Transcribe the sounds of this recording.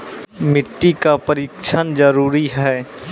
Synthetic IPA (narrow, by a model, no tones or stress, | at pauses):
mɪʈːikapəɾiːkt͡ʃʰənd͡ʒəɾuːɾiɦɛː